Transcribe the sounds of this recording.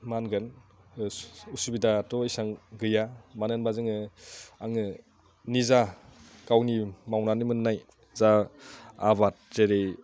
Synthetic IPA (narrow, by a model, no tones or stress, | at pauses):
manɡɯn | usubidatɔisaŋɡɯjamanɯnbazɯŋɯaŋɯ | niza | kawnimawnanimɯnːaj | za | aβat̚z̥eɾe